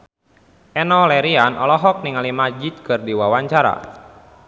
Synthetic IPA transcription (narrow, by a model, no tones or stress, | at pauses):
ʔɛnɔlɛɾianʔɔlɔɦɔk̚niŋalimad͡ʒit̪̚kɨrdiwawaɲt͡ʃaɾa̰